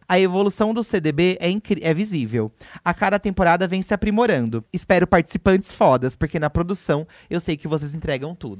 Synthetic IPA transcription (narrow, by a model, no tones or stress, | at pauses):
ɐevolusɐ̃w̃d̪ʊsed̪ebeɛĩkɛvizivewakad̪ɐt̪ẽmpoɾad̪ɐvẽj̃sɪapɾimoɾɐ̃nd̪ʊɪspɛɾʊpaɾt͡ʃɪ̥sipɐ̃nt͡ʃɪ̥sfɔd̪ɐspoɾkenɐpɾod̪usɐ̃w̃ | ewsejkɪvos̬ezĩnt̪ɾɛɡɐ̃w̃t̪ṵd̪ʊ